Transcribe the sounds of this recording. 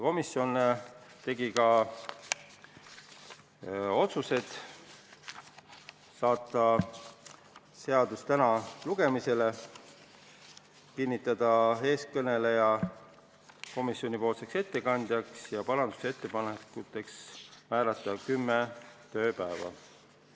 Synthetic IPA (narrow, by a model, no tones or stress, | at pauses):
ko̞misːjo̞nːe | t̪e̞ɡikɑ | o̞t̪suse̞d̪̥ | sɑːt̪ːˑɑ | se̞ɑd̪̥ust̪ænɑluɡ̥e̞mise̞le̞ | kinʲːit̪ːˑɑd̪̥ɑe̞ːskɤne̞lejɑ | ko̞misjo̞nʲipo̞ːlse̞kse̞t̪ːe̞kɑnʲd̪̥jɑksjɑpɑɾɑnd̪u̥see̞t̪ːe̞pɑnekut̪ːˑe̞ksmæːɾɑt̪ˑːɑkymːet̪ø̞ːpæevɑ̰